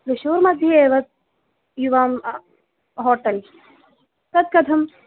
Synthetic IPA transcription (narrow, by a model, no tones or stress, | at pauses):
ɾuʃoːɾmɐd̪ʱjɐeːʋɐt̪̚ | juʋaːm | ɦɔːʈɐl | k̪ɐt̪̚kɐt̪ʰɐm